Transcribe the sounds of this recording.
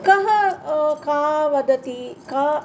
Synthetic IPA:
kɐ̃ɦə̃kaːʋɐd̪ʱət̪iːkaː

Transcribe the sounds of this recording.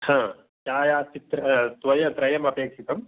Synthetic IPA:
hãː | t͡ʃaːjaːst̪it̪ɾɐt̪ʋɐjɐt̪ɾɐjɐmɐpeːkʂit̪ɐm

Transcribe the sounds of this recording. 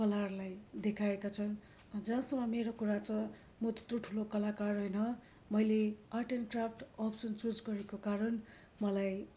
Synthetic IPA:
kʌlarlajd̪ekʰaekat͡sʰʌn | d͡zʌsʌmʌmeɾokuɾat͡sʌ̃ | mot̪o̥t̪roʈʰulokʌlakarɦʌjnʌ | mʌjleʌʈenkrapʰʈʌpsʌnt͡sod͡zɡʌɾekokaɾʌn | mʌlaj

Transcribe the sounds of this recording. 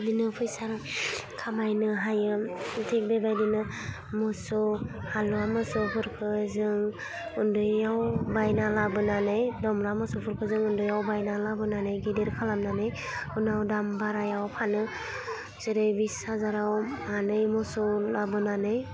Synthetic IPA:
dinɯpʰɯjsaɾkʰamajnɯɦajɯtʰek̚bebajdinɯ | mɔsɔhaluamɯsɯpʰɯɾkʰɯzɯŋ | undɯjawbajnalabɯnanɯjdɔmɾamɔsɔpʰuɾkʰɯzɯŋɯndɯjawbajnalabɯnanɯjɡedeɾkʰalamnanɯj | unawdambaɾajawpʰanɯ | zɯɾɯjbisazaɾawmanɯjmɔsɔlabɯnanɯj

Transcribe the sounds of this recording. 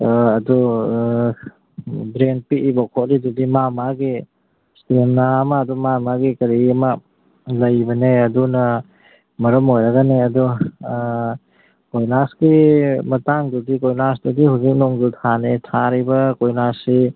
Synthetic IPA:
ɐdu | bɾeŋpiʔibɔkʰɔt̚ɾidudimamaɡi | stemnamɐːdumamaɡikɐɾiɐmɐ | lɐjbɐneɐdunɐ | mɐɾɔmojɾɐɡaneɐdɔ | kojnasɡimɐtaŋdudikojnasdudihawzik̚noŋdutʰanetʰaɾibɐkojnasːi

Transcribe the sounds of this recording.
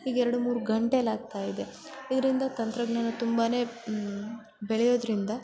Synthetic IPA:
iːɡɛɾɐɽumuːɾuɡɐɳʈelaːɡ̚t̪aːjid̪e̞ | id̪ɐɾind̪ɐt̪ɐnt̪ɾɐɡɳɐnɐt̪umbaːne̞ː | beɭɛjo̞ːd̪ɾind̪ɐ

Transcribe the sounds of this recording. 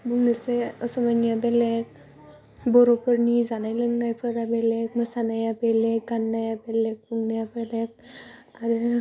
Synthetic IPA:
buŋnəseəsɔmanijabelek̚ | bɔɾopəɾnizanajləŋnajpʰəɾabelek̚məsanajabelek̚ɡanːajabelek̚buŋnajapelek̚aɾɯ

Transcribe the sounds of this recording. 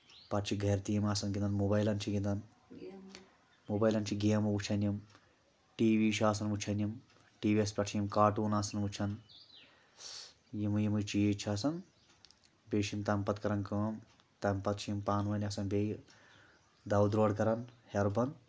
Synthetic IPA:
pɐʈt͡ʃʰiɡʱɐjɾt̪iːmaːsɐnɡʲind̪ɐnmoːbɐjlɐnt͡ʃʰiɡʲind̪ɐn | moːbɐːjlɐnt͡ʃʰiɡeːmɐʋut͡ʃʰɐnjim | ʈiːʋiːʃʰaːsɐnmut͡ʃʰɐnjim | ʈiːʋiɐspʲɐʈt͡ʃʰijimkaːʈuːnaːsɐnmut͡ʃʰɐn | jimɨjimɨt͡ʃiet͡ʃʰaːsɐn | beːʃint̪ɐmpɐt̪kɐɾɐnkɐːm | t̪ɐmpɐt̪̚t͡ʃʰijimpaːnʋɐnʲaːsɐnbeːj | d̪ɐwd̪ɾoːɽkɐɾɐnheɾbɐn

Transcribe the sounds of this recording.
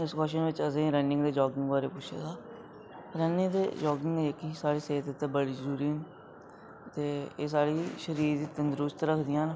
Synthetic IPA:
ɪskɔːʃənʋɪt͡ʃəzẽːɾɛ̃ɳɖɪ̃ŋɡd̪eːd͡ʒɔːɡɪ̃ŋɡbaːɾeːpʊt͡ʃʰḛːt̪aː | ɾɛnɪ̃ŋɡd̪ḛːd͡ʒɔːɡɪŋɡeəkːiːsaːɽiːseːt̪ɪt̪ẽːbəɽiːzəɾuːɾiː | t̪eːeːs̬aːɽiːʃəɾiːɾd̪iːt̪ənd̪ɾʊst̪ɾəkʰd̪ɪjãːn

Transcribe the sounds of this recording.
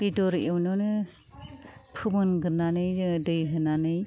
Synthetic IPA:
bidɔɾewnɔnɯ | pʰɯmɯnɡɯɾnanɯjdɯjɦɯnanɯj

